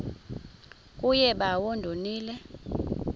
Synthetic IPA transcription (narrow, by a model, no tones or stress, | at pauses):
kʼujɛɓawondʱoniːlɛ